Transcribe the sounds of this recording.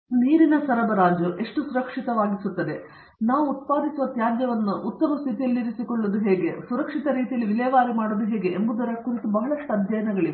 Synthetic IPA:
niːɾinɐsɐɾɐbɐɾaːd͡ʒuʔe̞ʂʈusuɾɐkʂit̪ɐʋaːɡisut̪ːɐd̪e̞ | naːʋuːt̪̚paːd̪isiʋɐt̪jaːd̪jɐʋɐnːuʔut̪ːɐmɐst̪ʰit̪ijɐlːiɾisikoɭːud̪uɦeːɡe̞suɾɐkʂit̪ɐɾiːt̪ijɐlːiʋilɛːʋaːɾimaːɽod̪uɦeːɡe̞ʔembud̪ɐɾɐkuɾit̪ubɐɦɐɭɐʂʈuɐd̪ʱjɐjɐnɐɡɐɭi

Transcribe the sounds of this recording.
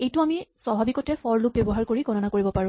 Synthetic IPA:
ejtʊamiswabʱabikɔtɛpɔɹlʊk̚bjɔbɔɦaɹkoɹiɡʱɔnɔnakoɹibɔpaɹʊ̃

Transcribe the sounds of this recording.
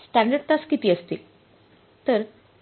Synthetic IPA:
sʈæ̃ɳɖəɖt̪askit̪iːəst̪ḭː | t̪əɾ

